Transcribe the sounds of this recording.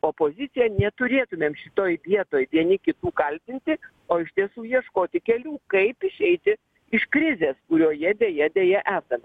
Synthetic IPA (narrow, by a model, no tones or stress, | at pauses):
oːpoːzʲɪt̪sʲɪjɛnʲɛt̪ʊɾʲeːt̪ʊmʲeːmʃʲɪt̪oːjbʲiɛt̪oːjʋʲiɛnʲɪkʲɪt̪uːkɐlʲt̪ʲɪnʲt̪ʲɪ | oːɪʃʲt̪ʲiɛsuːjiɛʃkoːt̪ʲɪkʲɛlʲuːkɐɪpɪʃʲɛɪt̪ʲɪ | ɪʃkɾʲɪzʲeːskʊɾʲoːjɛd̪ʲeːjɛd̪ʲeːjɛʔæːsɐmʲɛ